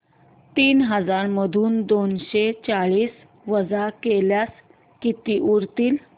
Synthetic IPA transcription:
t̪iːnɦəd͡zaɾməd̪ʱuːnd̪onɕet͡saɭiːs | ʋəd͡zakeljas | kit̪iːʔuɾt̪iːl

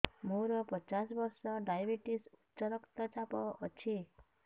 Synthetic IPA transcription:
mõɾɔpɔt͡ʃasbɔɾsɔɖajbiʈisutːt͡ʃɔɾɔkt̪ɔt͡ʃapɔʔːt͡ʃʰi

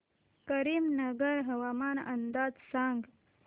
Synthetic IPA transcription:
kɐɾiːmnɐɡəɾɦɐwaːmaːnɐ̰nd̪aːd͡ʒsãːŋɡ

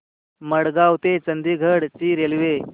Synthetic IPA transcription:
məɽɡawt̪et͡sənd̪iːɡʱəɽt͡ɕiːɾelʋe

